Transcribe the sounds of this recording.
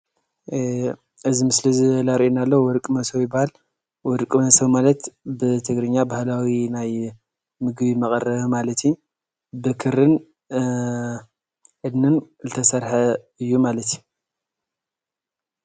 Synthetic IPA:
ɨzimɨslizɨlaɾʔinalːowwɔɾkʼɨmɐsɐwjɪbahal | wɔɾkʼɨmɐsɐwmalɐt̪bɨt̪ʰɨɡɾɨɲːabahlawinaj | mɨɡbimɐkʼɐrɐmalɐt̪ʰji | bɨkʰɨɾɨn | ʔɨd̪nɨn | zɨt̪ʰɐsɐɾħɐ | ɨjːumalɐt̪ju

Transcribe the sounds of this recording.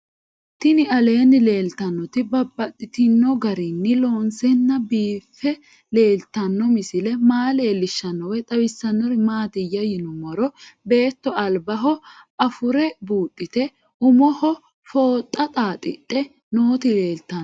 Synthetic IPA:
t̪ɪnɪɐle̞ːnːɪle̞ːlt̪ɐnːɔt̪ɪbɐbːɐt̪ʼːɪt̪ɪnːɔɡɐɾɪnːɪloːnsɛnːɐbiːfːɛ | le̞ːlt̪ɐnːɔmɪsɪlɛmaːle̞ːlːɪʃːɐnːɔwɛt̪ʼɐwɪsːɐnːɔɾɪmaːt̪ɪjːɐjɪnɔmɔɾɔbe̞ːt̪ːɔɐlbɐɦɔɐfʊɾɛbuːt̪ʼːɪt̪ɛ | ʔʊmɔhɔ | fo̞ːt̪ʼːɐt̪ʼaːt̪ʼɪtʼːɛ | noːt̪ɪle̞ːlt̪ɐ

